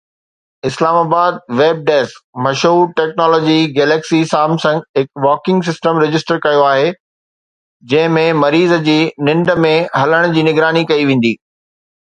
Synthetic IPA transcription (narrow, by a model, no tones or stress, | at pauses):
ɪslaːmaːbaːd̪̚ʋeːb̚ɖɛːskmɐʃuːɾʈɛːknɔːlɔːd͡ʑiɡeːleːksisaːmsɐ̃ŋɡɦɪkʋɔːkɪ̃ŋɡs̬ɪsʈəmɾɪd͡ʑɪsʈəɾkɐjoaːɦe | d͡ʑɐ̃ɦɪ̃mẽmɐɾiːzəd͡ʑiːnɪ̃ɳɖə̆mẽɦɐləɽ̃ʊ̆d͡ʑiːnɪɡɾaːnikɐiʋẽːn̆d̪iː